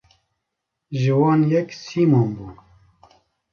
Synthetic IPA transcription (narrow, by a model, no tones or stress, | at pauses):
ʒɨwɑːnjɛksiːmoːnbuː